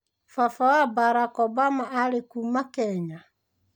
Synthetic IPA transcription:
fafawabaɾakɔbamaʔaɾekumakɛɲa

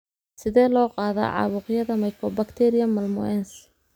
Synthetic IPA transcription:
sɪðɛːlɔːqɑːðɐ̰ʕɑ̰βʊːqjɐðɐmɐjkʰɔbɐkt̪ʰɛɾɪjɐmːɐlmʊ̰ɛns

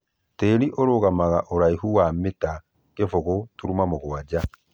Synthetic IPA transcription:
teːɾiʔoɾoɣamaɣaʔoɾaihuwameta | kefoɣotuɾumamoɣwad͡ʑa

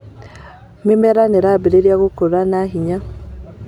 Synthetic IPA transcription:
memɛɾaneɾabeɾeɾjaɣokoɾanaɦiɲa

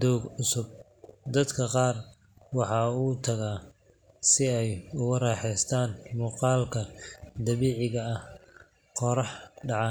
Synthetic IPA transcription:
d̪ɔwɡʕʊsʊb̚ | d̪ɐd̪kʰɐqɑːr | wɑħɑːuːt̪ʰɐɣaː | sɪɛjʊɣɐrɑːħɛjst̪ʰaːnmuːqɑːlkʰɐd̪ɐβiːʕɪɣɐɐh | qɔɾɑħɖɑʕɑ

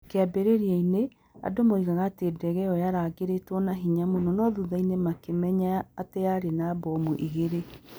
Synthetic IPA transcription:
keabeɾeɾiaine | a̰domoiɣaɣaːtedɛɣɛɔjaɾaɡeɾetwɔnaɦiɲamonɔnɔðuðainemakemɛɲaːteaɾenabɔmuʔiɣeɾe

